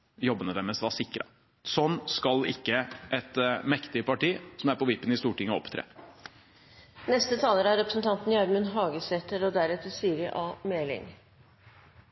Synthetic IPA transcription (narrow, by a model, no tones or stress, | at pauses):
jɔbːənəd̪ɛməsʋɑːsɪkːɾɑ̰ | sɔnːskɑlɪ̰kːəʔɛt̪mɛkt̪ɪəpɑʈiːsɔmæɾpɔʋɪpːənɪst̪uːʈɪŋːəɔ̰pt̪ʰɾḛː | nɛst̪ət̪ʰɑːləɾəæɾɛpɾəsn̩t̪ʰɑnt̪n̩jɑɾmʉnɦɑːɡəseːt̪əɾɔd̪æɾɛt̪əɾsyːɾɪʔɑːmeːlɪ̰ŋ